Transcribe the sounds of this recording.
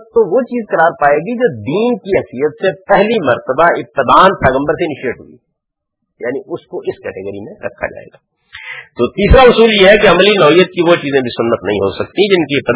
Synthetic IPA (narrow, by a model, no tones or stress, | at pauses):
t̪oʋot͡ʃiːzkɐɾaːɾpaːeːɡid͡ʒoːd̪iːnkiɦɛɦsijət̪sepɛɦlimɐɾt̪əbaɪp̚t̪ɪd̪aːnpɛːɣə̃mbəɾsenɪʃeːʈɦʊ̰ḭː | jaːniʔʊskoʔɪskɛːʈeɡəɾimẽɾɐ̰kʰːa̰d͡ʒa̰ːḛːɡaː | t̪oːt̪iːsɾaʊsuːljeɦɛkeɐmlinɔːɦijːət̪̚kiʋot͡ʃiːzẽbʱisʊnːət̪nɐ̰ɦĩɦosɐk̚t̪id͡ʒɪnkiɪp̚t̪ɪ